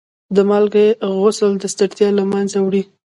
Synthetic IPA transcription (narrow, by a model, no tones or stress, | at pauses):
d̪əmɑlɡeɣosəld̪əst̪aɽt̪jɑlamanzawɽi